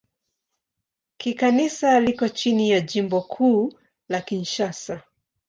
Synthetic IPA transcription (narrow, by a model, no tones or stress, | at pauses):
kikanisalikɔt͡ʃinijaʄimbɔkʰuː | lakinʃasa